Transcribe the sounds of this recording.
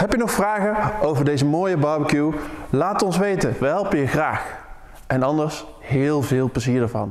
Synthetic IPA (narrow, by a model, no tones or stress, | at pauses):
hɛpjənɔxfraːɣəowvəɹdejzəmoːjəbɑɹbəkjulaːtɔnsʋejtəʋəɦɛlˠpəjəxraːx | ɛnɑndəɹs | hɪːlˠvɪːlˠpləziːɹdəɹvɑ̰n